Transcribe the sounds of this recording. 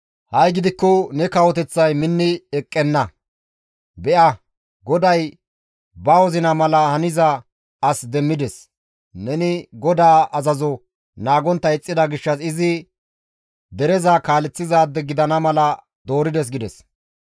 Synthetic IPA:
hɐjɡɪd̪ɪkːɔnɛkɐwɔt̪ɛt͡sːɐjmɪnːɪɛkʼːɛnːɐ | bɛʔɐ | ɡɔd̪ɐj | bɐwɔzɪnɐmɐlɐhɐnɪzɐ | ɐsd̪ɛmːɪd̪ɛs | nɛnɪɡɔd̪aːɐzɐzɔ | naːɡɔnt̪ːɐɛt͡sʼːɪd̪ɐɡɪʃːɐsɪzɪ | d̪ɛɾɛzakaːlɛt͡sːɪzaːd̪ːɛɡɪd̪ɐnɐmɐlɐ | d̪oːɾɪd̪ɛs̬ɡɪd̪ɛs

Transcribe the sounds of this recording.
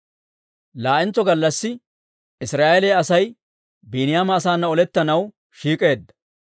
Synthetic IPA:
laːʔɪnt͡sːɔɡɐlːɐsːɪ | ɪsɾaːʔɛlɛːɐsɐj | biːnɪjaːmɐːsaːnːɐɔlɛt̪ːɐnɐw | ʃiːkʼe̞ːd̪ːɐ̥

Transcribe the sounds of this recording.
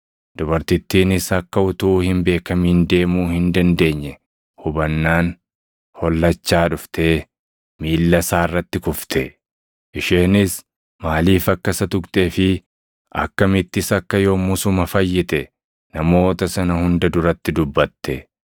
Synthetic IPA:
d̪̥ʊbɐɾt̪ɪt̪ːiːnɪsɐkːɐʊt̪uːhɪmbe̞ːkɐmiːnd̪e̞ːmuːhɪnd̪ɐnd̪e̞ːɲːɛ | hʊbɐnːaːn | hɔlːɐt͡ʃːaːᶑʊft̪ʰeː | miːlːɐsaːɪrːɐt̪ːɪkʊft̪ʰɛ | ʔɪʃeːnɪs | maːliːfɐkːɐsɐt̪ʊkt̪ʼeːfɪ | ʔɐ̰kːɐmɪt̪ːɪsɐkːɐjo̞ːmʊsʊmɐfɐjːɪt̪ɛ | nɐmo̞ːt̪ɐsɐnɐhʊnd̪ɐd̪ʊɾɐt̪ːɪd̪ʊbːɐt̪ːɛ

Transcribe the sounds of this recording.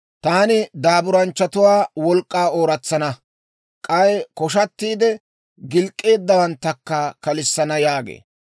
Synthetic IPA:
t̪aːnɪd̪aːbʊɾɐnt͡ʃːɐt̪ʊwaːwɔlkʼːaːo̞ːɾɐt͡sːɐnɐ | kʼɐjkɔʃɐt̪ːiːd̪ɛ | ɡɪlkʼːe̞ːd̪ːɐwɐnt̪ːɐkːɐkɐlɪsːɐnɐjaːɡḛː

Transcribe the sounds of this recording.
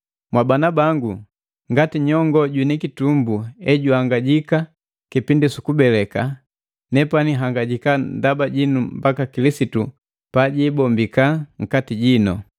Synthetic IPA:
mwabanabaŋɡu | ŋɡatiɲɔŋɡɔɟwinikitumbuɛɟuhaŋɡaɟika | kipindisukubɛlɛka | nɛpaniɦaŋɡaɟikandabaɟinumbakakilisitu | paɟiːbɔmbikaŋ̩katiɟinɔ̰

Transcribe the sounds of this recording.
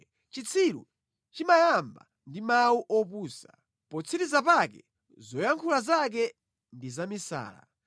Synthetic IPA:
t͡ʃit͡sʰilṵ | t͡ʃimajamba̰ | ndimawuʔɔpuːsa̰ | pɔt͡sʰiɾizapakɛ̰ | zɔjaŋkʰulazak̬ɛ | ndizamisa̰ːla̰

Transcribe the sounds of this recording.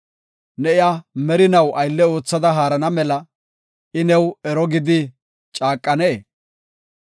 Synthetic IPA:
nɛɪjaːmɛɾɪnɐwʔɐjlːɛo̞ːt͡sːɐd̪ɐɦaːɾɐnɐmɛlɐ | ɪnɛwɛɾɔɡɪd̪ɪ | t͡ʃʼaːkʼːɐne

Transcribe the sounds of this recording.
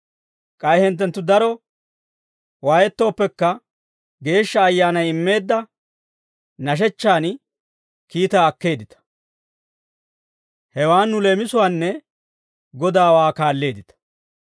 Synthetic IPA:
kʼɐjhɛnt̪ːɛnt̪ːʊd̪ɐɾɔ | waːjɛt̪ːo̞ːpːɛkːɐ | ɡe̞ːʃːɐːjːaːnɐjɪmːe̞ːd̪ːɐ | nɐʃ̬ɛt͡ʃːaːn | kiːt̪aːɐkːe̞ːd̪ɪt̪ɐ̥ | hɛwaːnːʊle̞ːmɪsʊwaːnːɛ | ɡɔd̪aːwaːkaːlːe̞ːd̪ɪt̪ɐ̥

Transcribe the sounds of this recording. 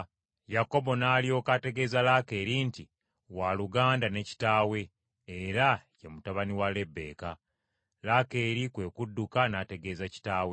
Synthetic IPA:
jako̞bo̞naːlio̞ːkate̞ɡe̞ːzalake̞ːɾinti | waluɡaːndane̞ci̥taːwe̞ː | ɾajemutaβaniwale̞bːe̞̰ːka | lake̞ːɾikweːkudːukanaːte̞ɡe̞ːzaci̥taːwe

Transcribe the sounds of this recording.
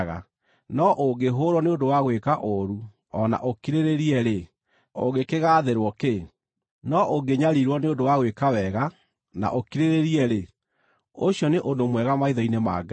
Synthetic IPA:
ɣa̰ | nɔʔoɡeɦoɾwɔneodowaɣwekaʔoɾu | ɔna̰ʔokiɾeɾeɾiɛɾe | o̰ɣekeɣaðeɾwɔke | nɔʔoɡeɲaɾiɾwɔneodowaɣwekawɛɣa | na̰ʔokiɾeɾeɾiɛɾe | oɕjɔneʔondomwɛɣamaiðɔinema̰ɡa

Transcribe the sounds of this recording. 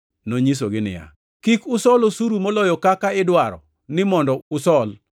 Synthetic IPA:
noɲis̬oɡɪnɪ̰ja̰ | kikʊsɔlosuɾumolɔjɔkakaɪdwaɾɔ̰ | nɪmɔndɔʊsɔl

